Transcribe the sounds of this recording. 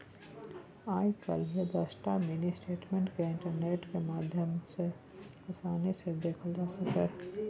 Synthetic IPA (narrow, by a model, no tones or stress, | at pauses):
aːjkɐ̰lied̪ɐsʈamenisʈeːʈmẽːɳʈkeɪ̃ɳʈəɾneːʈkemaːd̪ʱjəmse | ɐsaːnesed̪eːkʰəld͡ʒaːsɐkeː